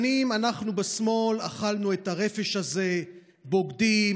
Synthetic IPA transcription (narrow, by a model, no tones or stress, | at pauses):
nimanaχnubesmo̞la̰χalnuetaʁe̞fe̞ʃaze̞ | bo̞ɡdi